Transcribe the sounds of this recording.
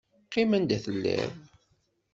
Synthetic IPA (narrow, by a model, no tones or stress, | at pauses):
qːimænd̪æθəlːæ̰v